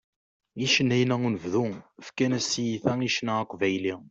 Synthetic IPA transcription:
iʃənːæjnæunəvðuəfkænæsijiθæiʃnæəqʷːvæjli

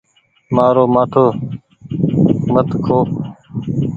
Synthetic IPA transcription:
maːɾoːmaːʈʰoː | mət̪kʰoː

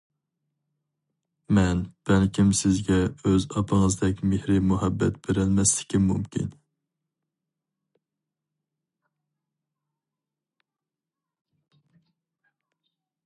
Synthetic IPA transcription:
mɛnb̥ɛnkʲimsɪzɡʲɛøzɑpʰəŋəzd̪ɛk̚ʲmehɾɪmuɦɛbːɛt̪b̥eɾɪlmɛst̪ɪ̥kʲɪmːumkʲʰḭn

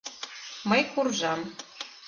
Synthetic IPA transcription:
mɤjkurʐɑm

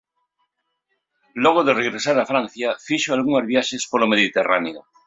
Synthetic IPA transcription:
loɣ̞oðereɣɾesaɾafɾan̟θjafiʃoalɣuŋazβjaʃespolomeðit̪era̰neo̰

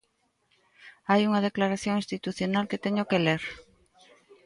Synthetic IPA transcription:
ajuŋɐð̞eklaɾaθjõŋĩst̪it̪uθjonalket̪eɲokeleɾ

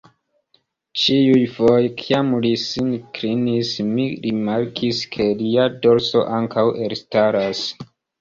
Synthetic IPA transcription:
t͡ʃiujvo̞jkʰiamlisinkɾinismiɾimaɾkʰiskʰe̞liado̞ɾso̞̰ʔaŋkʰawʔe̞ɾstaɾas

